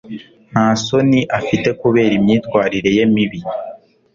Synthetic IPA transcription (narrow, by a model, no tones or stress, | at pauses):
n̥haːso̞niʔafite̞kuβe̞ːɾimɲiːtkwaːɾiɾe̞je̞miβi